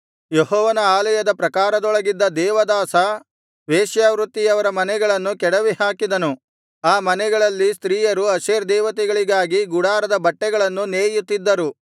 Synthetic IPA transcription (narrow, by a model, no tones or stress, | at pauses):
jeɦɔːʋɐnɐaːlɐjɐd̪ɐpɾɐkaːɾɐd̪ɔɭɐɡid̪ːɐd̪ɛːʋɐd̪aːsɐ | ʋeːʃjaːʋɾut̪ːijɐʋɐɾɐmɐnɛɡɐɭɐnːukɛɽɐʋihaːkid̪ɐnu | aːmɐnɛɡɐɭɐlːist̪ɾiːjɐɾuɐʃeːɾd̪ɛːʋɐt̪ɛɡɐɭiɡaːɡiɡuɽaːɾɐd̪ɐbɐʈːɛɡɐɭɐnːuneːjut̪ːid̪ːɐɾu